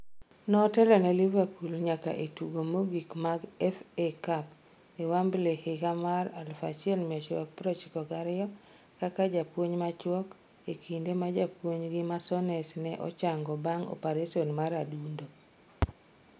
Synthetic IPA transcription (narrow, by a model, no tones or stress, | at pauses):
nɔtɛlɔnɛlivepulɲaka̰ʔetuɡomoɡikmaɡɛfekapewamblehɪkamaɾalfa̰t͡ʃɪɛlmiat͡ʃwa̰k̚pɾot͡ʃkɔɡaɾɪjɔkakad͡ʒapwoɲmat͡ʃwɔkekʰindemad͡ʒapwoɲɡɪmasɔnɛsnɛʔɔ̰t͡ʃaŋɡɔbaŋo̰paɾesionmaɾadundo